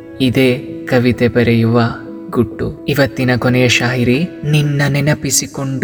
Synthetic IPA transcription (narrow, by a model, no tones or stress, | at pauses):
id̪eːkɐʋit̪ebɐɾɐjuʋɐ | ɡuʈːuiʋɐt̪ːinɐkonɛjɐʃaːjiɾininːɐnɛnɐpisikoɳɖ